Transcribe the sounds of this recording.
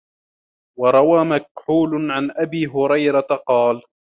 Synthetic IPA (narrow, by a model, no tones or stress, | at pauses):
wɑɾˤɑwaːmak̚ħuːlʊʕanʔabiːɦʊɾɑjɾat̪aqɑːl